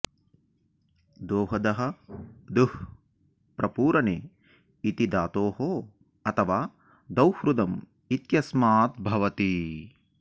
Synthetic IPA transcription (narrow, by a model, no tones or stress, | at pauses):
d̪oːɦɐd̪ɐɦɐ̆d̪uh | pɾʔɐpuːɾɐneː | it̪id̪aːt̪oːɦoː | ɐt̪ʰɐʋaː | d̪ɐwhɾud̪ɐm | it̪jɐsmaːt̪̚bʱɐʋɐt̪i